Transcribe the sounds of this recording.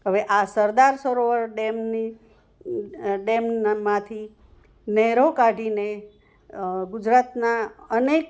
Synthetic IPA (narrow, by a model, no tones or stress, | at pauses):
ɦəʋeʔasəɾd̪aɾsəɾoʋəɾɖemni | ɖemmãt̪ʰi | nɛɦɾokaɖine | ɡud͡ʒɾat̪naənek